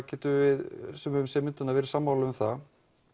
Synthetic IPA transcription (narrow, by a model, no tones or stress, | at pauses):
cɛːt̪ʏvɪðsɛmʏmsɛmɪnt̪ʏnavɛɾɪ̥saːmːawlavʏmθa